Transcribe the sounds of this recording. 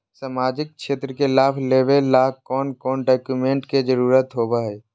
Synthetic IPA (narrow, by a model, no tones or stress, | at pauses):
samaːd͡ʒɪk̚kʃeːt̪ɾəkelaːpʰleːʋellaːkɔːnkɔːnɖaːkjumẽːɳʈked͡ʒəɾuːɾət̪ɦoːbaɦɛː